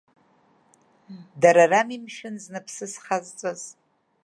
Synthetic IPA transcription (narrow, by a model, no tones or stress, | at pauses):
daɾaramimʃɪnznɨpʰsɨsχazt͡sʷʼoz